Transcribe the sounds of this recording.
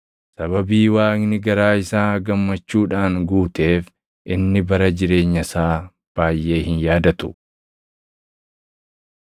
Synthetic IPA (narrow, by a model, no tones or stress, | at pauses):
sɐβɐbiːwaːknɪɡɐɾaːɪsaːɡɐmːɐt͡ʃːuːᶑaːŋɡuːt̪e̞ːf | ʔɪnːɪbɐɾɐd͡ʒɪɾe̞ːɲːɐsaː | b̥aːjʔe̞ːhɪnjaːd̪ɐt̪ʊ̥